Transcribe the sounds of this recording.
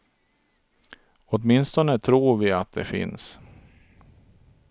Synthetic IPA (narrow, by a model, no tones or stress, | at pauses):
ɔt̪mɪnst̪ɔnət̪ʰɾuːɾvɪat̪̚d̪ɛ̰fɪ̰ns